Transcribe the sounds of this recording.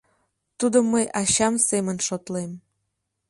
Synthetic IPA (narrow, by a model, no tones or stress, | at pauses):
t̪ud̪omːəjʔɑɕɑmsemənʃot̪lem